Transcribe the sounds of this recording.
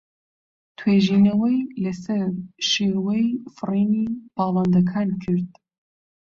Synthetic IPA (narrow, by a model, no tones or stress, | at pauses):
t̪ʰweːʒiːnɐwɐjlɐsɐɾʃeːwejfɨriːnib̥ɑːlˠɐnd̪ɐkʰaːnkʰɨɾd̪